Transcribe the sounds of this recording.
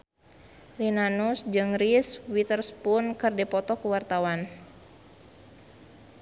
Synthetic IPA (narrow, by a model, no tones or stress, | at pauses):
rinanusd͡ʒɨŋriswit̪ərspunkɨrdɛpɔt̪ɔkuwart̪awan